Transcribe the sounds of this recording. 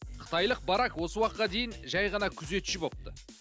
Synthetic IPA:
qʰə̥t̪ɑjlˠəq̚bɑɾɑkwo̞səwɑq̚t̪qɑd̪e̞jɪnʒɑjʁɑnɑkʲʰʏze̞t̪ʃɪbo̞p̚t̪ə

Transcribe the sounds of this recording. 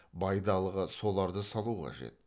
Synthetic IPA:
bɑjd̪ɑlˠəʁəso̞lˠɑɾd̪əsɑlˠuqʰɑ̰ʒe̞̰t̪̚

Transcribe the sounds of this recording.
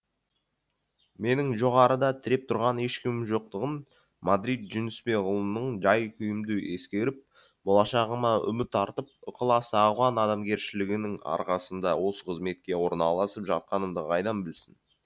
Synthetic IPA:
me̞nɪŋʒo̞ʁɑɾəd̪ɑt̪ʰɪɾe̞p̚t̪ʰʊɾʁɑne̞ʃkʲɪmʒo̞q̚t̪əʁən | mad̪ɾijt̪ʒʏnɪspe̞ʁʊlˠəmnəɴʒɑjkʲʰʏjɪmd̪ɪʔe̞skʲe̞ɾɪp̚ | bolˠɑʃɑʁəmɑʏ̰mɪt̪ʰːɑɾt̪əp̚ʊqʰəlˠɑsɑʁwɑnɑd̪ɑmɡʲe̞ɾʃɪlɪɡʲɪnɪŋɑ̰ɾqɑsənd̪ɑwo̞səqʰəzme̞t̪̚kʲe̞wo̞ɾnɑlˠɑsəpʒɑ̰t̪̚qɑnəmd̪əʁɑjd̪ɑnbɪlsɪn

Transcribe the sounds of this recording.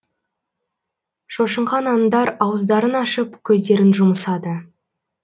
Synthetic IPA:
ʃoʃəɴχɑnɑnd̪ɑɾɑwəzd̪ɑɾənɑʃəpkʲʰɵzd̪e̞ɾɪnʒʊməsɑd̪ə

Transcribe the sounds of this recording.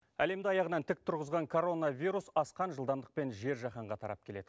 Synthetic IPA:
æle̞md̪ɪɑjɑʁənɑnt̪ʰɪk̚t̪ʰʊɾʁəzʁɑŋkʰo̞ɾo̞navʲijɾusɑsqɑnʒəlˠd̪ɑmd̪ə̥q̚pe̞nʒe̞ɾʒɑχɑɴʁɑt̪ʰɑ̰ɾɑ̰p̚kʲʰe̞le̞d̪̥ɪ

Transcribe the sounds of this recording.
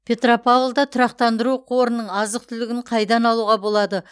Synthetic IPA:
pʰʲe̞t̪ropʰavlˠd̪ɑt̪ʰʊɾɑqt̪ɑnd̪əɾuqʰo̞ɾənəɴɑzəq̚t̪ʰʏlɪɡʲɪɴqʰɑjd̪ɑnɑlˠuʁɑbo̞lˠɑd̪ə

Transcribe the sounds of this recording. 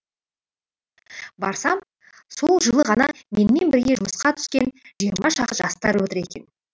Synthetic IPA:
bɑɾsɑm | so̞lˠʒəlˠəʁɑnɑme̞nɪme̞nbɪɾɡʲe̞ʒʊməsqɑt̪ʰʏ̥skʲe̞nʒijəɾmɑʃɑʁʒɑst̪ɑɾwɵt̪ɪɾe̞kʲe̞̰n

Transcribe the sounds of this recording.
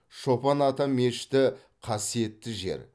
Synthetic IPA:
ʃo̞pɑnɑt̪ɑme̞ʃt̪ɪ | qʰɑsije̞t̪ːɪʒe̞̰ɾ

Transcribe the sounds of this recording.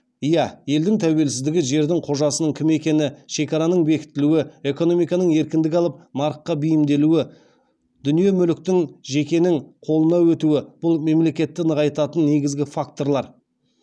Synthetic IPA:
ijɑje̞ld̪ɪŋt̪ʰæwe̞lsɪzd̪ɪɡʲɪʒe̞ɾd̪ɪŋqʰo̞ʒɑsənəŋkʲʰɪme̞kʲe̞nɪʃe̞kɑɾanəɴbe̞kʲɪ̥t̪ːɪluɪe̞ko̞no̞mijkɑnəɴe̞ɾkʲɪnd̪ɪk̬ʲɑlˠəp̚nɑɾəqːɑbijɪmd̪e̞luɪ | d̪̥ʏnije̞mʏlɪk̚t̪ɪŋʒe̞kʲe̞nɪŋqʰo̞lˠənɑwɵt̪uwɪb̥ʊlˠme̞mle̞kʲe̞t̪ːɪnəʁɑjt̪ɑt̪ənːe̞ɡʲɪzɡʲɪfak̚t̪o̞ɾlˠɑɾ

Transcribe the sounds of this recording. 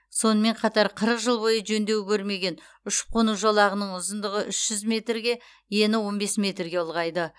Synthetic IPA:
so̞nəme̞ɴqʰɑt̪ɑɾqʰəɾəqʒəlˠbo̞jəʒɵnd̪e̞wɪkʲʰɵɾme̞ɡʲe̞n | ʏʃqʰonuʒolˠɑʁənəɴʊzənd̪əʁəʔʏʃʒ̥ʏzme̞t̪rɡʲe̞ | je̞nɪwo̞nbe̞sme̞t̪rɡʲe̞ʊlˠʁɑjd̪ə

